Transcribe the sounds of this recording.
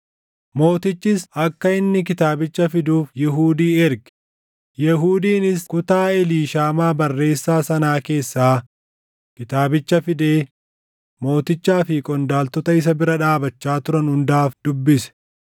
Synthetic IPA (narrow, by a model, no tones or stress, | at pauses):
mo̞ːt̪ɪt͡ʃːɪsɐkːɐɪnːɪk̬ɪt̪aːbɪt͡ʃːɐfɪd̪uːfjɪɦuːd̪iːɛɾɡɛ̥ | jɛɦuːd̪iːnɪskʊt̪aːɛliːʃaːmaːbɐrːe̞ːsːaːsɐnaːke̞ːsːaː | kɪt̪aːbɪt͡ʃːɐfɪd̪e̞ː | mo̞ːt̪ɪt͡ʃːaːfɪkʼɔnd̪aːlt̪ɔt̪ɐɪs̬ɐbɪɾɐᶑaːbɐt͡ʃːaːt̪ʊɾɐnhʊnd̪aːfd̪̥ʊbːɪsɛ̥